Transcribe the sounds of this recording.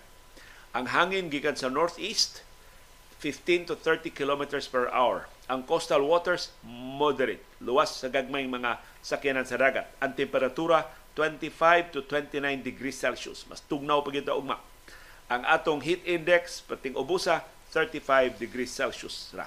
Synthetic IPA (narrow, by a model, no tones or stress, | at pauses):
ʔɐŋɦaːŋɪnɡikansɐnoɹt̪ʔist̪ | fɪft̪ĩnt̪ʊθɛɹt̪ikɪlomɪt̪ɛɹspɛɹʔa̰wɛ̰ɹ | ʔɐŋkost̪alwot̪ɛɹsmod̪ɛɾɪt̪̚lʊwasːɐɡaɡ̚majŋmɐŋa | sɐkɪnansɐd̪aːɡat̪̚ʔɐŋt̪ɛmpɛɾat̪uɾa | t̪wɛnt̪ifajvt̪ʊt̪wɛnt̪inajnd̪ɪɡɾisɛlsʊ̰smɐ̰st̪ʊɡ̚nawpɐɡɪt̪aʔʊɡ̚ma̰ | ʔɐŋʔa̰ːt̪oŋɦit̪ind̪ɛkspɐt̪ɪŋʔʊbusa | θɛɹt̪ifajvd̪ɪɡɾisːɛlsʊsɾa̰